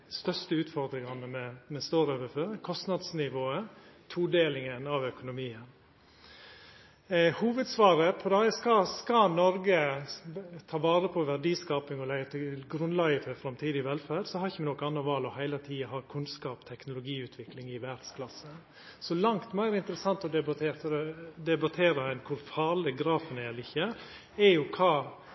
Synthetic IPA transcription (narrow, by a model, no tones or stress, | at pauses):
st̪œʂt̪əʉːt̪fɔɾd̪ɾɪŋɑnːəmɛmɛst̪oːɾøːʋəføːɾkʰɔst̪nɑd̪snɪʋoːət̪ʰuːd̪eːlɪŋənɑʋœkʊnʊmiːən | huːʋəd̪sʋɑːɾəpʰɔd̪ɑskɑskɑnɔɾɡə | t̪ʰɑːʋɑːɾəpʰɔʋæɖiːskɑːpɪŋɔlɛɡət̪ʰɪlɡɾʉnlɑːɡəfɔɾfɾɑmt̪ʰiːd̪ɪʋɛlfæːɾsɔhɑɾɪçəmɛnɔkəɑnɑʋɑːlɔhæɪlət̪ʰiːɑɦɑːkʰʉnskɑːpt̪ʰɛknʊlʊɡiːʉːt̪ʰʋɪklɪŋɪʋædskʰlɑsə | sɔlɑŋt̪mæʏɾɪnt̪əɾəsɑnt̪ɔd̪ɛbɑt̪ʰeːɾt̪d̪ɛbɑt̪ʰeːɾəɛnkʰʊɾfɑːɾləɡɾɑːfənɛɛlɪçːə | ɛɾjʊkʰɑː